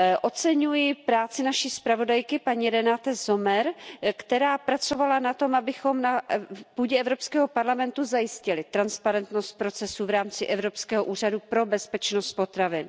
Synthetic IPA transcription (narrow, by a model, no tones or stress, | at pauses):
ʔo̞t͡sɛɲujɪpɾaːt͡sɪnaʃispɾavo̞dajkɪpaɲiɾɛnat̪ɛzo̞mɛɾkt̪ɛɾaːpɾat͡so̞valanat̪o̞mʔabɪxo̞mnapuːɟɛɛvɾo̞pskɛːɦo̞paɾlamɛnt̪uzajɪscɪlɪt̪ɾanspaɾɛnt̪no̞st̪̚pɾo̞t͡sɛsuvɾaːmt͡sɪʔɛvɾo̞pskɛːɦoʔuːr̝adupɾo̞bɛspɛt͡ʃnost̪̚po̞t̪ɾavɪn